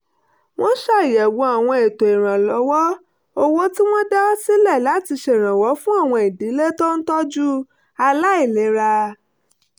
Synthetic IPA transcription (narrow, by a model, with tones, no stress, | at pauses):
w̃ɔ̃˦ʃa˦˨jɛ˨wõ˧˦a˨w̃ɔ̃˧e˨to˨i˨ɾ̃ã˨lɔ˨˦wɔ˦ | o˧wo˦ti˦w̃ɔ̃˦dɛ˦ɔ˦si˦lɛ˦˨la˨˦ti˧ʃe˨ɾ̃ã˨wɔ˨˦fũ˦a˦˨w̃ɔ̃˧e˨di˨˦le˦tɔ˦n̩˦tɔ˦d͡ʒu˦ | a˧la˦i˦˨le˨˦ɾa˧